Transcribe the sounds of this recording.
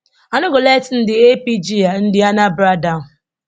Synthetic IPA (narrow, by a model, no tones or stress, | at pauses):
anʊɡoletn̩dɪepid͡ʒian̩dɪanabɾada